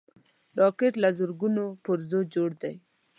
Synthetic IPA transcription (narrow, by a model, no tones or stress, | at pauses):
ɾɑkeʈlazʊɾɡunopʊɾzod͡ʒoɽd̪aj